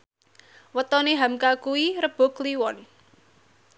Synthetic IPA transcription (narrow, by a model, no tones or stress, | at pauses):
wət̪ɔneɦamkakuiɾəb̥o̤kliwɔn